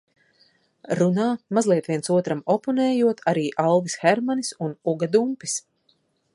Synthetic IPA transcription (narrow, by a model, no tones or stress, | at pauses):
ɾunaːmazlˠiɛt̪ʋiɛnsuɔt̪ɾamɔpɔnɛːjuɔt̪ʰaɾiːʔalˠvisxɛɾmanisunuɡad̪umpis